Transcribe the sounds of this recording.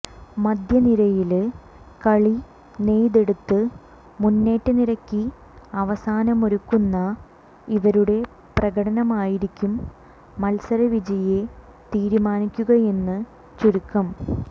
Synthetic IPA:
mɐd̪ʱjɐniɾɐjil | kɐɭi | ne̞jðe̞ɽut̪ːɨ | munːe̞ːʈːɨniɾɐkːi | ɐʋɐsaːnɐmoɾukːunːɐ | iʋɐɾuɽe̞ | prɐɣɐɽɐnɐmaːjiɾikʲːumː | ɐlsɐɾɐʋid͡ʑɐje | t̪iːɾumaːnikʲːuɣɐe̞nːɨ | t͡ɕuɾukːɐm

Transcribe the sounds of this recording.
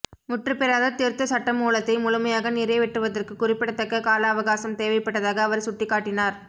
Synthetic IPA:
mʊʈrɯpɛɾaːðɐt̪ɪɾt̪ːɐsɐʈːɐmuːlɐt̪ːɐɪmʊlʊmɐjaːɣɐnɪɾɐɪʋɪʈrɯʋɐðɐrkɯkːʊrɪpːɪɽɐt̪ːɐkːɐkaːlaːɐʋɐɣaːsɐmt̪eːʋɐɪpːɐʈːɐðaːɣɐːʋɐɾsʊʈːɪkːaːʈːɪnaːɾ

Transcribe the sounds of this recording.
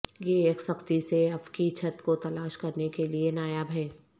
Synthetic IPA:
jeːksɐkt̪iseɐfkit͡ʃʰɐt̪kot̪ɐlaːʃkɐɾnekelienaːjabʱɛː

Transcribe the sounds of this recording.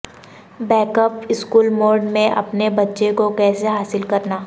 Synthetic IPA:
bɛːkəpɪskuːlmoːɾɖmẽʔɐ̰pnebɐtːʃekokɛːseɦaːsɪlkɐɾnaː

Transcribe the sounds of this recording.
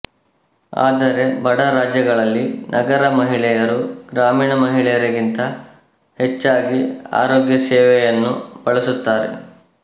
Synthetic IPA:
a̰ːd̪ɐɾe̞bɐɽɐɾaːd͡ʒjɐɡɐɭɐlːinʔɐɡɐɾɐmɐɦiɭɛjɐɾuɡɾaːmiːɳɐmɐɦiɭɛjɐɾɐɡint̪ɐ | het͡ʃːaːɡia̰ːɾoːɡjɐsɛːʋɛjɐnːub̥ɐɭɐsut̪ːaːɾḛ

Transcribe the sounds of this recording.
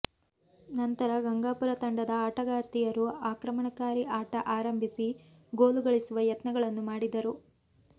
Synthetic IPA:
nɐnt̪ɐɾɐɡɐŋɡaːpuɾɐt̪ɐɳɖɐd̪ɐaːʈɐɡaːɾt̪ijɐɾuaːkɾɐmɐɳɐkaːɾiʔaːʈɐʔaːɾɐmbʱisi | ɡoːluɡɐɭisuʋɐjɐt̪nɐɡɐɭɐnːumaːɽid̪ɐɾu

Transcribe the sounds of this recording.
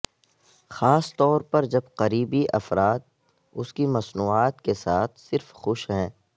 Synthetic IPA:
xaːst̪ɔːɾpɐɾd͡ʒɐbqɐɾiːbiʔɐ̰fɾaːt̪̚ | ʊskimɐsnuːaːt̪kesaːt̪ʰsɪɾfxʊʃɦɛ̃ː

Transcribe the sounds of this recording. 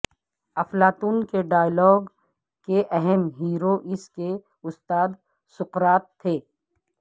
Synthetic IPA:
ɐflaːt̪uːnkeɖaːjlɔːɡ | keʔɛɦɛmɦiːɾoʔɪske | ʊst̪aːd̪ | sʊqɾaːt̪ʰːeː

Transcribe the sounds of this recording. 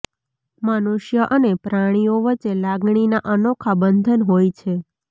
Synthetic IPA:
mənuʃjəʔənepɾaɽ̃ijoʋət͡ʃːelaɡɳ̃inaʔənokʰabənd̪ʱənɦojt͡ʃʰe

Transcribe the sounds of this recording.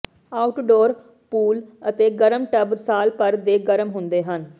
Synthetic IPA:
aːʊʈɖoːɾ | puːlət̪eːɡəɾəmʈəbɾsaːlpəɾd̪eːɡəɾəmɦʊnd̪eːɦən

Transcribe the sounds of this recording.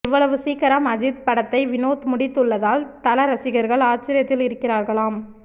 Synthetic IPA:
ɪʋːɐɭɐʋɯsiːkɐɾɐmɐd͡ʒɪt̪̚pɐɽɐt̪ːɐɪʋɪnoːt̪mʊɽɪt̪ːɯɭːɐðaːlt̪ɐlɐɾɐsɪɣɐɾɣɐɭaːt͡ʃɪɾɪjɐt̪ːɪlɪɾɯkːɪraːɾɣɐɭaːm

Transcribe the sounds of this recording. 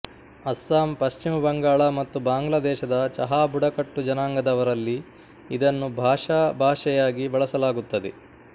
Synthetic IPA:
ɐsːaːmpɐʃt͡ʃimɐbɐŋɡaːɭamɐt̪ːubaːŋɡlɐd̪ɛːʃɐd̪ɐt͡ʃɐɦaːbuɽɐkɐʈːud͡ʒɐnaːŋɡɐd̪ɐʋɐɾɐlːi | id̪ɐnːubʱaːʂɐbʱaːʂɛjaːɡibɐɭɐsɐlaːɡut̪ːɐd̪ḛ

